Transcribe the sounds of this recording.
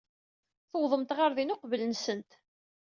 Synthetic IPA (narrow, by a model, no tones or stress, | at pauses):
θəwðˤəmt̪ʁaɾðinoqvələnsənt̪